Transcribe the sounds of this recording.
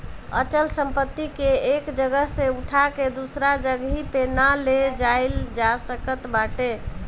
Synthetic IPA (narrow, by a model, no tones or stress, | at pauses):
ə̰t͡ʃəlsəmpət̪ːikeekd͡ʒəɡəɦseuʈʰaked̪usɾad͡ʒəɡɦipenaled͡ʒaɪld͡ʒasəkət̪baʈe